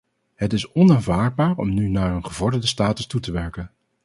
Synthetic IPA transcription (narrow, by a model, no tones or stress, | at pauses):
ɦətɪsɔnaːnvaːɹd̚baːɹɔ̰mnynaːɹənχəvɔɹdədəstaːtəstutəʋɛɹkən